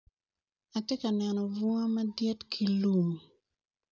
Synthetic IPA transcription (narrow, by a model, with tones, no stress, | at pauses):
a˨te˦ka˨nɛ˨nɔ˨vu˦ŋa˦ma˦djɛ˦tkʰi˨lu˦˨ŋ˨